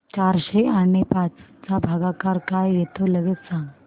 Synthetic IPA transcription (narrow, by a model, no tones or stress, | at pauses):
t͡ɕaɾɕeanepat͡st͡sabʱaɡakaɾkajjet̪oləɡet̪sãŋɡ